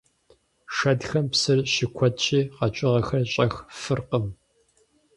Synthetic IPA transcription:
ʂɐdxɐmpsɨrʃɪkʷʰɔtt͡ʃʼiːqɐt͡ʃʼɪʁɐxɐrɕʼɐxfɨrqəm

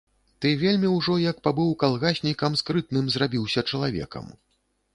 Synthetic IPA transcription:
t̪ɨvʲelʲmʲiwʐɔjɐk̚pabɨwkalˠɣasʲnʲikɐmskɾɨt̪̚nɨmzrabʲiwsʲɐt͡ʂɐlˠavʲɛ̰kɐ̰m

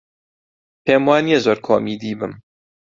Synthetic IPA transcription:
peːmwaːnijɛzoːɾkʰo̰ːmid̪iːbɨm

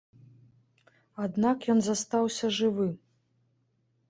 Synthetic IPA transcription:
ad̪nakjɔnzast̪awsʲɐʐɨvɨ

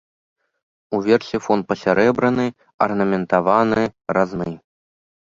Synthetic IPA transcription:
uvʲɛrsʲifɔnt̪̚pɐsʲaɾɛbɾɐnɨ | ɐrnɐmʲɛnt̪avanɨɾaznɨ

